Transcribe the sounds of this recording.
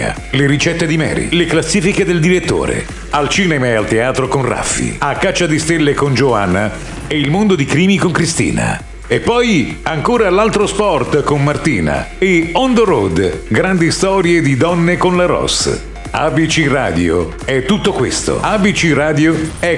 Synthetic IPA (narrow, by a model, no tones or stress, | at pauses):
a̰ | leɾit͡ʃɛt̪ːed̪imɛ̰ːɾḭleklasːiːfiked̪eld̪iɾet̪ːo̰ːɾḛ | alt͡ʃiːnɛmaealt̪eaːt̪ɾokonrʔa̰fːḭakːat͡ʃːad̪ist̪elːekond͡ʒoanːa | eilmond̪od̪ikɾiːmikoŋkɾist̪ḭːna̰ | epːɔjaŋkoːɾalalt̪ɾospɔrt̪konmart̪ḭːna̰eɔnd̪oɾod̪ɡɾand̪ist̪ɔːɾjed̪id̪ɔnːekonlaɾɔ̰s | a̰bit͡ʃira̰ːd̪jo̰ | ɛt̪ːut̪ːokwḛst̪o̰abit͡ʃiraːd̪joɛ